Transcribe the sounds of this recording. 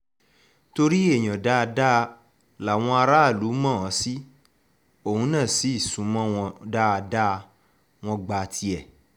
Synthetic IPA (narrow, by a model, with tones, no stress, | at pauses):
to˧ɾi˦e˦˨j̃ɔ̃˨da˦˧da˦˧ | la˨w̃ɔ̃˧a˧ɾa˦˨lu˨˦mɔ̃˦˨ɔ̃˨˦si˦ | o˦˨hũ˧˦nãː˦˨si˨˦i˦˨sũ˨˦mɔ̃˦w̃ɔ̃˧da˦a˧da˦˧ | w̃ɔ̃˧ɡ͡ba˧tʰi˧ɛ˨